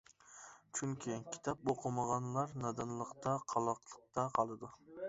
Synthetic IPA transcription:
t͡ʃʰyŋkʲʰikʲʰi̥t̪ʰɑp̚oqʰəmɑʁɑnlˠɑɾnɑd̪ɨnlˠəqt̪ʰɑqʰɑlˠɑqlˠəq̚t̪ʰɑqʰɑlˠɨd̪u

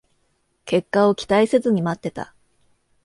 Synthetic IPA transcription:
ke̞kːao̞kʲi̥t̪aise̞zɨɲ̟imat̪ːe̞t̪a̰

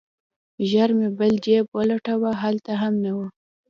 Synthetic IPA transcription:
ʒaɾmebəld͡ʒepwəlaʈawaɦalt̪aɦamnawə

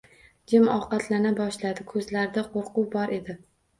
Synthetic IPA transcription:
d͡ʒɪmɒqɑt̪ʰlanabɒʃlad̪ɪkʰɵzlaɾɪd̪aqʰoɾqʊbɒɾʔe̞d̪ɪ

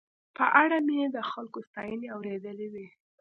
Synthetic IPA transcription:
pəʔaɽamed̪əxalkost̪ɑjəneawɾed̪əlewi

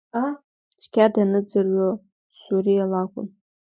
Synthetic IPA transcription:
a | t͡ʃʰʼkʲadanɨd͡zɨrɥo | suɾialakʷʼʊ̰m

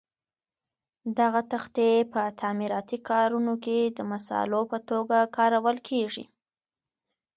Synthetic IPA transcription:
d̪aɣat̪axt̪epət̪ʰamiɾɑt̪ikʰɑɾunoked̪əmasɑ̰lopət̪oɡakɑɾawəlkʰeʐḭ

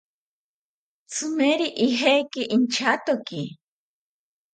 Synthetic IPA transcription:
t͡sʰɨmeɾiʔiɦejkiʔint͡ʃʰat̪oki

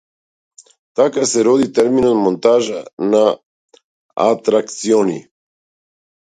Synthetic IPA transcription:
t̪akasɛɾod̪it̪ɛɾminonmont̪aʒana | a̰t̪ɾakt̪sionḭ

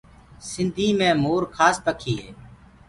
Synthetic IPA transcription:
sɪnd̪ʱiːmẽːmoːɾkʰaːspəkʰiːɦḛː

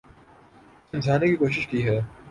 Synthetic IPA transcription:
sɪnd͡ʒʰʱaːnekikoːʃɪʃkiɦɛː

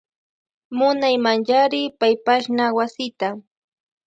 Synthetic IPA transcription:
mʊnajmaŋjaɾɪpajpaʃnawasɪt̪a

